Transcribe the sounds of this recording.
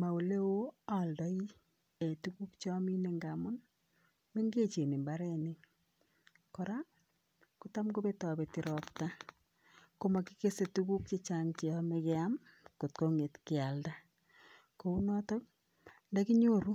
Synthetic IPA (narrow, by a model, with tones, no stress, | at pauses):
ma˨o˨le˦wo˦a˨ldɔ˦i˦ | e˨tuku˦kt͡ʃɔ˦mi˦ne˦ŋɡa˨mʊ˦n | me˦ŋɡe˦t͡ʃe˨ni˨mba˦ɾɛ˦ne˨ | kɔ˨ɾa˦ | ku˦ta˦mko˦be˦tɔ˨be˨tiɾɔpta˦ | ko˦ma˨ki˦ke˦se˨tuku˦k̚t͡ʃe˦t͡ʃaŋt͡ʃe˨ɔ˦mekɛ˦a˦mko˨t̚ko˦ŋe˨tkɪ˨a˨lda˦ | ko˨u˦nɔ˦tɔ˦k̚ | nda˦ki˦ɲoɾu˦